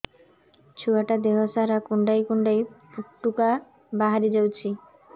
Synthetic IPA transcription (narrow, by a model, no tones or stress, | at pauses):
t͡ɕʰuaʈad̪eɦosaɾakuɳɖajkuɳɖajpuʈːuka | baɦaɾid͡ʑawt͡ɕʰi